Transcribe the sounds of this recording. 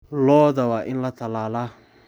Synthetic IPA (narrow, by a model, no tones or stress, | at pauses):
lɔːðɐwaːʔɪnlɐt̪ʰɐlaːla